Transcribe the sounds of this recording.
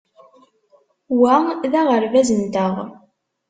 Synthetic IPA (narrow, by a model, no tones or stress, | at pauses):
wæðæʁəɾvæzənt̪əʁ